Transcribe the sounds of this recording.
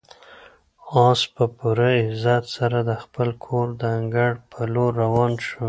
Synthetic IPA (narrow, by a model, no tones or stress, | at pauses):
ɑspəpuɾaɪzat̪saɾad̪əxpəlkʰoɾd̪əŋɡaɽpʰəloɾawɑnʃu